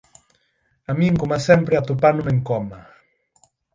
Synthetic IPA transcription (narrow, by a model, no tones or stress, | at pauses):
amieŋkomasɛmpɾeat̪upanumeŋkɔma